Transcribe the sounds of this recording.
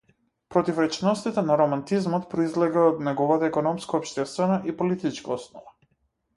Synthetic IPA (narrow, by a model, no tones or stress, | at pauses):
pɾɔt̪ifɾɛt͡ʃnɔst̪it̪ɛnaɾɔmant̪izmɔt̪pɾɔizlɛɡaɔd̪nɛɡɔvat̪aɛkɔnɔmskaɔpʃt̪ɛst̪vɛnaʔipɔlit̪it͡ʃkaɔsnɔva